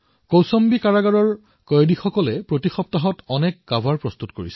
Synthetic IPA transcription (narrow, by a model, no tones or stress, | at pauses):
kowsɔmbikaɹaɡaɹɔɹ | kɔjdixɔkɔlɛpɹotixɔp̚taɦɔtɔnɛkːabʱaɹpɹɔst̪utkoɹḭsɛ̥